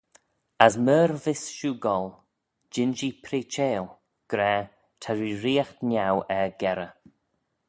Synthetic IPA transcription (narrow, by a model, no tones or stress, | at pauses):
asməːɾvɪsʃuːɡɔl | d͡ʒɪnd͡ʒipʰɾiːt͡ʃeːl | ɡ̥ɾɛː | t̪ʰaɹiɾiːaxt̪nʲawɛɡɛɾə